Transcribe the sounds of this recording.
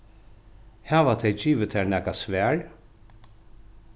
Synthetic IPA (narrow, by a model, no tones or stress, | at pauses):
hæːʋat̪ʰɛjd͡ʒiːʋət̪ʰæːɹnæːkasʋæːɹ